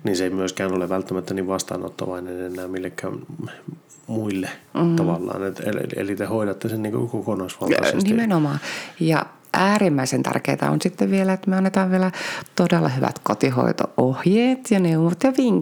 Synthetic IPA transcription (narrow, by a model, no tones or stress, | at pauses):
niːnseimyøskæːnoleʋælt̪ːæmæt̪ːæniːʋʋɑst̪ɑ̰ːno̰t̪ːɑ̰ʋɑinenenːˑæːmmilːekːæ̰ːm | muilːeːt̪ːɑʋɑlːɑ̰ːnet̪ḛl̰ḛlit̪ehoiɾɑt̪ːesenniːŋko̰kokonoisʋɑlɑssnimenomɑːjɑ̰ | ʔæːrimːæisent̪æ̰rkḛːt̪ɑ̰o̰nsit̪ːeʋʋielæet̪myøɑnːet̪ɑːʋʋielæt̪odelːɑhyʋæ̰t̪kot̪iho̰it̪o̰ʔohjeːt̪jɑneumot̪jɑʋiŋ